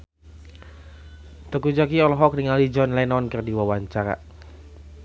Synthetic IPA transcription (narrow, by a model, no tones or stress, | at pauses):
t̪əkud͡ʒak̬iɔlɔɦɔk̚niŋalid͡ʒɔnlɛnɔnkərdiwawaɲt͡ʃaɾa̰